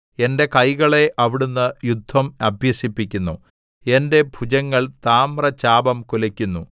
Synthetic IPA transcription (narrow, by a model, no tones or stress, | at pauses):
e̞nde̞kɐjɣɐɭe̞ʔɐʋiɽunːɨjud̪ʱːɐmɐbʱjɐsipːikʲːunːu | e̞nde̞bʱud͡ʑɐŋːɐɭt̪aːmrɐt͡ɕaːbɐmkulɐkʲːunːu